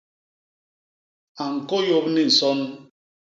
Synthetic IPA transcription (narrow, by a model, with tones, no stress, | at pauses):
a˨ŋ̩˨ko˦jo˦pni˦˨n̩˨sɔ˦n˦